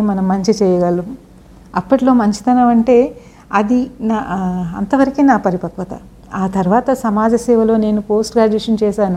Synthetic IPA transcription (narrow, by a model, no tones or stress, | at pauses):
mɐnɐmːɐɲt͡ʃit͡ʃɛːjɐɡɐlːu | ɐpːɐʈilo̞ːmɐɲt͡ʃi̥t̪ɐnɐːʋɐɳʈe̞ː | ɐd̪inɐ̰nt̪ɐʋɐɾɐkinaːpɐɾipɐkʋɐt̪ɐ̰ | aːt̪ɐɾuʋaːt̪ɐsɐmaːd͡ʒɐsɛːʋɐlo̞ːne̞ːnupo̞ːsʈɡaːd͡ʒɐʂɐnt͡ʃɛːʃaːnu